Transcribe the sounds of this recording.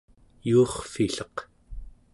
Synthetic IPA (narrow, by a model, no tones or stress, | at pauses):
juːχfiɬʌq